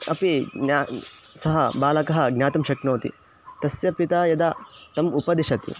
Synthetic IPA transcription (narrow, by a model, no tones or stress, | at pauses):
ɐ̰piasɐɦɐ̰baːlɐkɐɦɐ̆ɡnʲjaːt̪ɐmʃɐknoːt̪ḭ | t̪ɐsjɐpit̪aːjɐd̪aːt̪ɐmupɐd̪iʃɐt̪ḭ